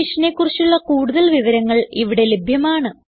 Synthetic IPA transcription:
iʂɐne̞kːurit͡ɕːuɭːɐkuːɽuðɐlʋiʋɐɾɐŋːɐɭiʋiɽe̞lebʱjɐmaːɳɨ

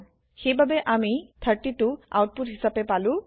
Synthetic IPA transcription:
xejbʱabeʔamit̪ʰəɾʈitua̰wʈ̚puʈɦisapepalu

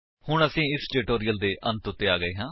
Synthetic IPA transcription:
hʊɳəsĩːɪsʈeːʈoːɾijəld̪eːʔə̃nt̪ʊt̪ːeːaːɡəeːɦãː

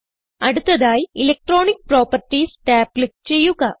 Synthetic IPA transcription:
ɐɽɯt̪ːɐðaːjɪlek̚ʈɾoːnik̚pɾoːpɐɾʈːisʈaːplik̚t͡ʃejːukaː

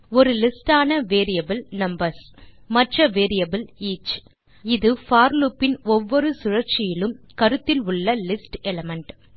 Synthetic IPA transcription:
ɔɾɯlɪsʈaːnɐʋeːɾijɐbɯlnɐmbɐɾs | mɐʈrɐʋeːɾijɐbɯliːt͡ʃ | ɪðɯfaːɾluːpːɪnɔʋːɔɾɯsʊɻɐɾt͡ʃɪjɪlɯm | kɐɾɯt̪ːɪlʊɭːɐlɪsʈɛlɐmɐɳʈ

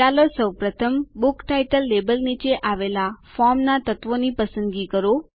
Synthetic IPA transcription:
alosəwpɾət̪ʰəmbukʈajʈəlːebəlnit͡ʃeʔaʋelafɔɾmnat̪ət̪ʋonipəsənd̪ɡikəɾo

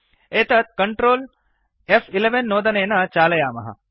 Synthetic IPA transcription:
eːt̪ɐt̪̚kɐɳʈɾoːl | efʰileʋenːoːd̪ɐneːnɐt͡ʃaːlɐjaːmɐ̰ɦɐ̰

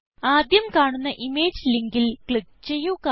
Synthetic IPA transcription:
aːd̪jɐmkaːɳunːɐʔimeːd͡ʑliŋɡilkɭik̚t͡ɕe̞jːuka

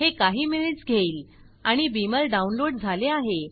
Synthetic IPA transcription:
hekaɦiːmened͡zɡʱeiːl | aɽ̃ibiməlɖaunloɽd͡zʱaleaɦe

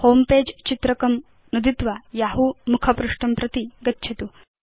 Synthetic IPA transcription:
hoːmpeːd͡ʒt͡ʃit̪ɾɐkɐm | nud̪it̪ʋɐjaːɦumukʰɐpɾuʂʈɐmpɾɐt̪iɡɐtːʃʰɐt̪u

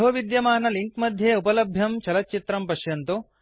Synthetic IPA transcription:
ɦoːʋid̪jɐmaːnɐliŋkmɐd̪ʱjeːupɐlɐbʱjɐmt͡ʃɐlɐt̚t͡ʃit̪ɾɐmpɐʃjɐnt̪u

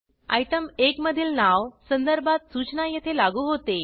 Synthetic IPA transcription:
a̰jʈ̪əmekməd̪ʱiːlnawsənd̪əɾbʱat̪sut͡ɕnajet̪ʰelaɡuːɦot̪e

